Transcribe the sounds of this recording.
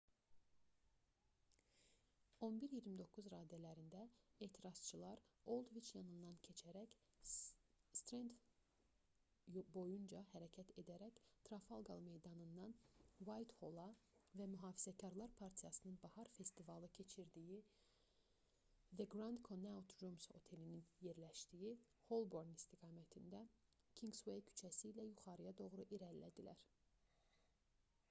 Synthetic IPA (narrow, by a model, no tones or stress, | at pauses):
o̞nbiɾjiɾmid̪o̞kʰuzɾɑːd̪ælæɾind̪æeːt̪ʰiɾɑz̥t͡ʃʰɯlˠɑɾo̞lˠd̪vit͡ʃjɑnɯnd̪ɑncʰe̞t͡ʃʰæɾæc | st̪ɾend̪ | bo̞jund͡ʒɑhæɾɛcʰæt̪e̞d̪æɾæct̪ʰɾɑfɑlˠɡɑlˠmejd̪ɑnɯnd̪ɑnwajt̪holˠɑvæmyɦɑːfizæcʰɑɾlˠɑɾpʰɑɾt̪ʰijɑsɯnɯnbɑhɑɾfe̞st̪ivɑlˠɯcʰe̞t͡ʃʰiɾd̪iji | væɡɾɑnd̪kʰonawt̪ʰromso̞̰t̪ʰe̞lininje̞ɾlæʃd̪iji | ho̞lˠbo̞ɾnist̪ʰiɡɑːmæt̪ʰind̪æ | cʰiŋɡswejcʰy̥t͡ʃʰæsiːlæjuχɑɾɯjɑd̪o̞ɣɾuʔiɾælːæ̰d̪ilæɾ